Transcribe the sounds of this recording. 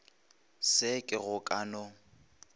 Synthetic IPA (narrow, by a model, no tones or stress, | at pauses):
sɪkʼɪɣʊkʼanʊ